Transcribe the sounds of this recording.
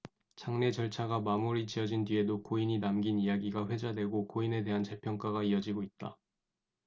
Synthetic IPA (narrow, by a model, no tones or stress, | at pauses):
t͡ɕʰaŋne̞t͡ɕʌɭt͡ɕʰaɡamamuɾit͡ɕiʌd͡ʑindɥie̞dokoiɲinamɡinijaɡiɡaɸwe̞d͡ʑadwe̞ɡokoine̞de̞ɦant͡ɕe̞pʰjʌŋk͈aɡaiʌd͡ʑiɡoit̚t͈a